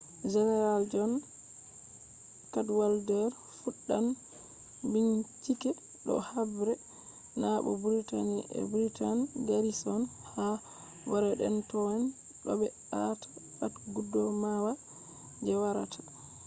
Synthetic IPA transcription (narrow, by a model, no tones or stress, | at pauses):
d͡ʒɛnɛɾald͡ʒɔn | kadwaldɛɾ | fuɗːan | biɲt͡ʃikɛ | ɗɔ̰habɾɛ | naɓɔ̰buɾitaniʔɛ̰bɾitanɡaɾisɔn | ha | waɾɛɗɛ̰ntɔn | ɗɔ̰bɛɗatḁbatɡudːɔmawa | d͡ʒɛwaɾa̰tʰḁ